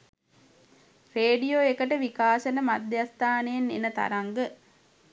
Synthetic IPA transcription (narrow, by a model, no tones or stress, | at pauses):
reːɖijoekəʈəʋikaːsɐnəmad̪jast̪aːneenːḛnət̪a̰ɾaŋɡə